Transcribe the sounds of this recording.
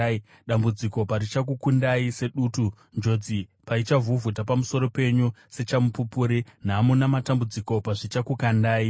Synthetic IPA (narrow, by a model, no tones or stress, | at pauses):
ɗambud͡ziko̞paɾit͡ʃak̬ukundaise̞ɗuːtu | nd͡ʒo̞d͡zipait͡ʃavuvutapamuso̞ɾo̞pe̞ɲuse̞t͡ʃamupupuːɾin̤aːmunamatambud͡ziko̞paʐit͡ʃakukandaːi